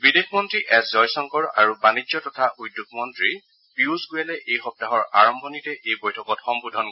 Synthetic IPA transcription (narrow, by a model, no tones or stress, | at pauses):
bidexʰmɔntɹiʔɛszɔjsɔŋkɔɹa̰ɹubanid͡ʒɔtɔtʰaujdːuk̚mɔntɹi | piuzɡujalɛʔejxɔp̚taɦɔɹa̰ɹɔmbʱɔnitɛʔejbojtʰɔkɔtxɔmbudʱɔn